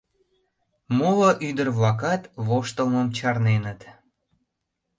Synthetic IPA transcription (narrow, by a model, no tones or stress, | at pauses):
moloʔyd̪ərβlɑk̬ɑt̪βoʃt̪əlməmt͡ɕɑrnenət̪